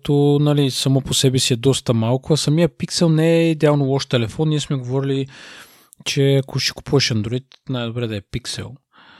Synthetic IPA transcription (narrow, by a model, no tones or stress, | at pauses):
t̪onɐlisɐmoposɛbɛsiɛd̪ɔst̪ɐmalˠkʊɐsɐmijəpiksɛlˠnɛɛid̪ɛalˠnolˠɔʃt̪ɛlɛfɔnːiɛsmɛɡovɔɾili | t͡ʃɛɐkʊʃi̥ku̥puvɛʃɐnd̪ɾoit̪najd̪obɾɛd̪ɐɛpiksɛ̰lˠ